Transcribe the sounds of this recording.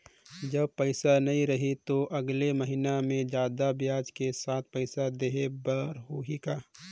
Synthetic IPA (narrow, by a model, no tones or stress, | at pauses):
d͡ʒəbpəɪsanəĩɾəɦit̪oʔɐɡleməɦinamẽd͡ʒaːd̪abjaːd͡ʒkesaːt̪̚ʰpəɪsad̪eɦebəɾɦoɦikaː